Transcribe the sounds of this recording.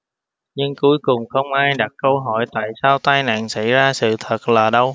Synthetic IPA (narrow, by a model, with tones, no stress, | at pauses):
ɲɨ˧ŋku˨˦əjkʊ˨˩ŋ͡mxə˧wŋ͡mʔaː˧jɗa˨˩t̚kə˧wɦɔ̰˧˩jt̪a̰ː˧˨jsaː˧wt̪aː˧jna̰ː˧˨nsa̰˧˥jzaː˧sɨ̰˧˨t̪ʰə˨˩t̚laː˨˩ɗə˧w